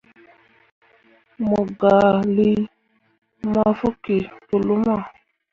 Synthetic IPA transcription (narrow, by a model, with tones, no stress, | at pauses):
mo˨ɡa˨li˦ | ma˦fo˦ke˨pu˨lu˦ma˦˨